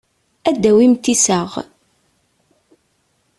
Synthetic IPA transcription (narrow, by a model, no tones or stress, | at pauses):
æd̪ːæwimt̪ːisəʁ